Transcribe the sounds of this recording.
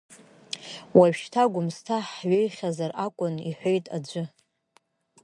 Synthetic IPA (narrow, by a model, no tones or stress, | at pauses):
waɥʃtʰaɡʷʊmstʰaħɥejχʲazarakʷʼʊniħʷejtʼad͡ʒʷʊ